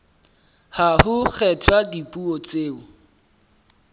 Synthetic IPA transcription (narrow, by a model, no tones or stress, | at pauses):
hahʊk͡xʰɛtʰwadipʼuɔt͡seːʊ